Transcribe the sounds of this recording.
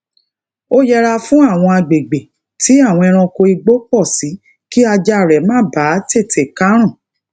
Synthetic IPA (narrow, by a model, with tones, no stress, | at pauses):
o˦jɛ˧ɾa˧fũ˦a˦˨w̃ɔ̃˧a˧ɡ͡be˨ɡ͡be˨ | ti˨˦a˦˨w̃ɔ̃˧ɛ˧ɾ̃ã˧ko˧i˧ɡ͡bo˦k͡pɔ˦˨si˨˦ | ki˦a˧d͡ʒa˧˨ɾɛ˨mãː˦˨ba˨˦te˦˨tʰe˨ka˦ɾ̃ɔ̃˦˨